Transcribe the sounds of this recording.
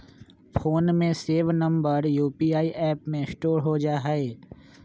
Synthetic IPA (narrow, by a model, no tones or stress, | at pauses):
pʰoːnmẽseːʋnɐ̃mbəɾjuːpiːaːiʔɛːpmẽsʈoːɾɦod͡ʒaːɦeː